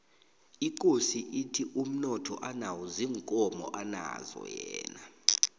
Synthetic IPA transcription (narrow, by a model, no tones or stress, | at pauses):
ik̬ʼosiʔitʰiʔum̩nɔtʰɔ̰ʔanawuziːŋkʼɔmɔ̰ʔana̰zɔ̰jɛːna